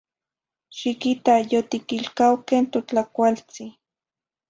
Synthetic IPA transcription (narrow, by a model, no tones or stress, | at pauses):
ʃikit̪ajot̪ikilkawkent̪ot͡ɬakʷalt͡si